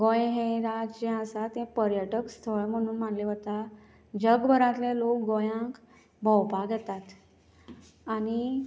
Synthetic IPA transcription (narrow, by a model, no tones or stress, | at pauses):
ɡõjɦẽɾad͡zd͡ʑẽəsat̪ẽpəɾjəʈəkst̪ʰəɭm̤əɽ̃uːnm̤aɳleʋət̪a | d͡ʑəɡbʱəɾãt̪lẽlok̚ɡõjãk | bʱɔwpaɡʱɛt̪at̪ | ani